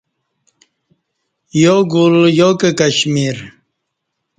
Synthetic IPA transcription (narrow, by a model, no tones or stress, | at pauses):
joɡuljokekaɕmiɾ